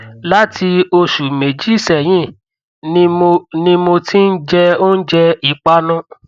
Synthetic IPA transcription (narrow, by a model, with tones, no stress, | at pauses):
la˦tʰi˧o˧ʃu˨me˨d͡ʒi˨˦sɛ˨j̃ĩ˦˨˦ | nĩ˦mo˧ti˦n̩˦d͡ʒɛ˧o˦n̩˦d͡ʒɛ˧i˨k͡pa˧˦nã˦˨